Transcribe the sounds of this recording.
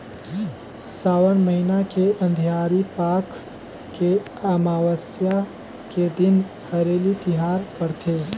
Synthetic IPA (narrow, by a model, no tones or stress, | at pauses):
saːwənməɦinakeɐ̃nd̪ʱijaːɾipaːk | ke | amaːwəsja | ked̪ɪn | həɾeːlit̪ɪɦaːɾkəɾt̪ʰeː